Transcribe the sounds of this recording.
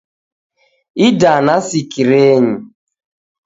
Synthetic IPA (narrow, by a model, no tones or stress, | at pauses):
idanasikiɾeɲi